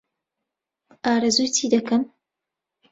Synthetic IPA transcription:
ʔaːɾɐzujtʰiːd̪ɐkɐm

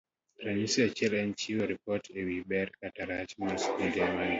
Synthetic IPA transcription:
ɾaɲisiat͡ʃɛlɛnt͡ʃiwoɾipɔtʰewibɛɾkataɾat͡ʃmaskudɛman

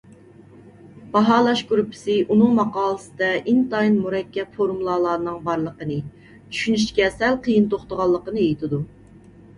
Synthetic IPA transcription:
b̥ɑɦɑːlˠɑʃɡɾupʰːɪ̥sɪʔunɨŋmɑqɑːlˠəsɨd̪ɛʔint̪ɑinmuɾɛkʲːɛpfoɾmulˠɑlˠɑːɾnɨŋbɑɾlˠəqənɨ | t͡ʃʰy̥ʃynyʃt͡ʃkʲɛsɛlqʰəjɨnt̪oχt̪əʁɑlˠːəqənɨejit̪ʰɪd̪u

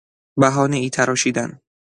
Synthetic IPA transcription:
bæɦɒːniiːt̪ʰæɾɒːʃiːd̪æn

